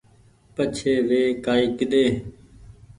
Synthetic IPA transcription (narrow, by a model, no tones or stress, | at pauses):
pət͡ʃʰeːʋeːkaːiːkɪɗ̪eː